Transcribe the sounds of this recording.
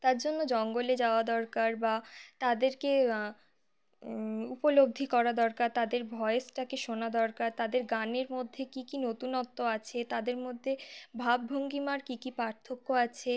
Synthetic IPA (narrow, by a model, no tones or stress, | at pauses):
t̪aɾd͡ʑonːod͡ʑɔŋɡoled͡ʑaoad̪ɔɾkaɾbat̪ad̪eɾke | upolob̚d̪ʱikɔɾad̪ɔɾkaɾt̪ad̪eɾbʱɔeesʈakeʃonad̪ɔɾkaɾt̪ad̪eɾɡaneɾmod̪ʱːekikinot̪unɔt̪ːoat͡ɕʰet̪ad̪eɾmod̪ʱːebʱabːʱoŋɡimaɾkikipaɾt̪ʰːokːoat͡ɕʰe